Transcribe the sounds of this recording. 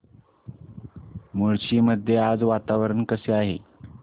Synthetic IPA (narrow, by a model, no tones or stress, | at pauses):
muɭt͡ɕiːməd̪ʱjead͡zʋat̪aʋɾəɳkəseaɦḛ